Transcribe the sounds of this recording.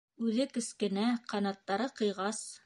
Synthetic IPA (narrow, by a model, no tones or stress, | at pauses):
ʉðɘkɵ̆skɘ̆næqɑnɑt̪ːɑɾɤqɤ̆jʁɑs